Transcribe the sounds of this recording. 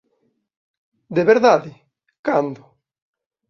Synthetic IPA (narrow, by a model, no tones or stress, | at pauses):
d̪eβeɾðaðɪ | kand̪ʊ